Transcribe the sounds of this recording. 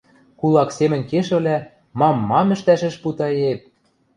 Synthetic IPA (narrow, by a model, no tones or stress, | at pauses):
kulˠɑksemɘ̆nʲkeʃɘ̆βlæ | mɑmːɑmɘ̆ʃt̪æʃɘ̆ʃput̪ɑep̚